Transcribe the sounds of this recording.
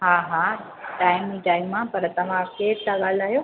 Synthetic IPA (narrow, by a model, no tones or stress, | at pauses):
ɦaɦa | ʈaːɪmniʈaːɪmːãpɐɾt̪ɐʋ̤ãkeːʈt̪aɠaːl̤aːɦjoː